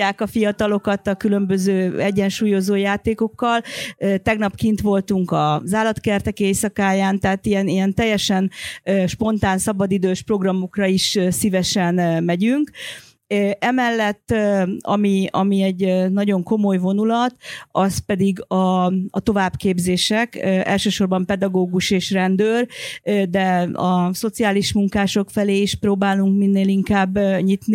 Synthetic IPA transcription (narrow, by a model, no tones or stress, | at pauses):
aːkɒfijɒt̪ɒlo̞kɒt̪ɒkylø̞mbø̞zøːɛɟːɛnʃuːjo̞zoːjaːt̪eːko̞kːɒlt̪ɛɡnɒpkint̪ʋo̞lt̪uŋkɒzaːlɒt̪kɛrt̪ɛkeːsɒkaːjaːnt̪ɛɦːt̪ijɛnijɛnt̪ɛjːɛʃɛnøʃpo̞nt̪aːnsɒbɒd̪id̪øːʃpro̞ɡrɒmokrɒiʃsivɛʃɛnmɛɟyŋkː | ʔɛmɛlːɛt̪ːɒ̰miɒ̰miɛɟnɒɟo̞ŋko̞mo̞jvo̞nulɒt̪ɒspɛd̪iɡɒːt̪o̞vaːbkeːbzeːʃɛkɛ̰lʃøːʃo̞rbɒmpɛd̪ɒɡoːɡuʃeːʃrɛnd̪øːrd̪ɛɒso̞t̪siaːliʃmuŋkaːʃo̞kfɛleːiʃproːbaːluŋkminːeːliŋkaːbːɲit̪ni